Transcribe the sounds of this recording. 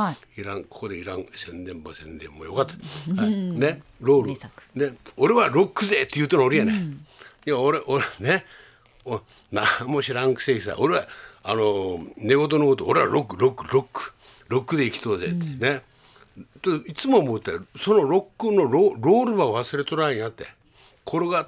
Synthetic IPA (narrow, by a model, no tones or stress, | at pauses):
iɾãŋkʰo̥ko̞d̪eiɾã̰ŋsẽ̞nd̪ẽ̞mbosẽ̞nd̪ḛ̃mbo̰jokat̪ːḁaneɾoːɾɯneoɾe̞βaɾo̞kːɯzet̪ːe̞jɯt̪ːenooɾejanẽiaoɾeʔone | o | namoɕiɾãŋkɯ̥seːkʲisa̰ʔoɾeβaanone̞ɡo̞t̪̬onokot̪oːɾe̞βa̰ɾokːɯɾokːɯɾokːɯ̥ | ɾo̞kːɯ̟d̪e̞ikʲi̥t̪oːzḛt̪ːene | t̪oit͡sɨmomot̪ːeso̞no̞ɾo̞kːɯno̞ɾoɾo̞ːɾɯβaβasɨɾe̞t̪oɾaĩat̪ːe | kʰoɾoɡa